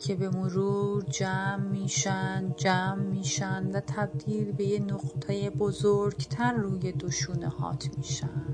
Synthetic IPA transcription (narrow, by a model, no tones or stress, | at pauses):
cʰe̞be̞moɾuːɾd͡ʒæmːiːʃænd̪d͡ʒæːmːiːʃænd̪væt̪ʰæb̚d̪iːlbe̞jenoqt̪ʰejebozoɾɟt̪ʰæɾːuːjed̪oʃuːnehɒ̰ːt̪ʰmiːʃænd̪̥